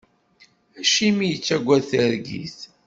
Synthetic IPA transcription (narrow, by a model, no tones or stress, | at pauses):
æʃimijət͡sːæɡʷːæθəɾɡḭθ